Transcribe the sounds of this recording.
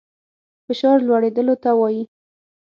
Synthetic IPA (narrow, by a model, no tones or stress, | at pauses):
fɪʃɑɾlwaɽed̪əlot̪awɑji